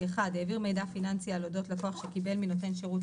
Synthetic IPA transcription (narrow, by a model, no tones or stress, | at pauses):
eχadeːviʁme̞jdafinant͡sialodo̞tlakoaχʃekibe̞lmino̞te̞nʃeʁut